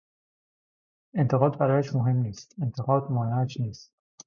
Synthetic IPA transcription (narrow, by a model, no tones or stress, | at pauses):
e̞nt̪ʰeɣɒːd̪̚bæɾɒːjæʃmoɦe̞mniːst̪e̞nt̪ʰe̞ɣɒːd̪mɒːnæt͡ʃniːst̪